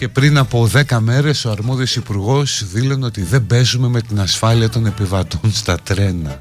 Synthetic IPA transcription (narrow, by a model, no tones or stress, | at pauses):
ce̞pɾinɐpo̞ðe̞kɐme̞ɾe̞so̞ɐɾmo̞ðio̞sipuɾɣo̞sðilo̞no̞t̪iðe̞be̞zume̞me̞t̪inɐsfɐliɐt̪o̞ne̞pivɐt̪onst̪ɐt̪ɾe̞nɐ